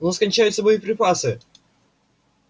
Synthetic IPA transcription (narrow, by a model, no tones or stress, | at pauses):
noskɐnʲt͡ɕæjʊt̪səboipɾʲɪpasɨ